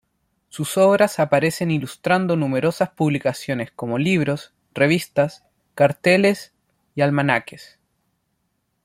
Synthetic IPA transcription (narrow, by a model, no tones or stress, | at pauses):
suso̞βɾasapaɾe̞se̞nilust̪ɾand̪o̞numeɾo̞saspuβlikasjo̞nesko̞mo̞liβ̞ɾo̞s | reβ̞ist̪as | kaɾt̪e̞le̞s | ialmanakes